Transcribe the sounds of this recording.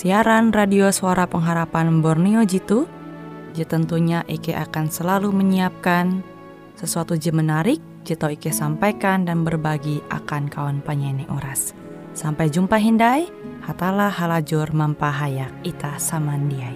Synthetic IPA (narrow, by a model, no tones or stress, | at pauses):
siaɾanradiosuaɾapəŋɦaɾapanbɔrniod͡ʒit̪u | d͡ʒət̪ənt̪uɲaʔikɛʔa̰kansəlaluməɲiap̚kan | səsuat̪ud͡ʒəmənaɾɪk̚d͡ʒit̪awikɛsampajkandanbərbaɡiʔa̰kankawɔnpaɲaniʔuɾasː | ampajd͡ʒumpaɦindaj | hat̪alahalad͡ʒʊrmampaɦajak̚it̪asamandiaj